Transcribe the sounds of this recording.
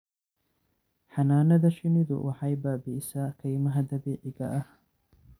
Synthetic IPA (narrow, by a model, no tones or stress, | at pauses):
ħɑnaːnɐðɐʃɪnɪðʊ̰wʔɑħɑjbaːbɪʔɪsaːkʰɐjmɐɦɐd̪ɐβeːʕɪɣɐʔɐh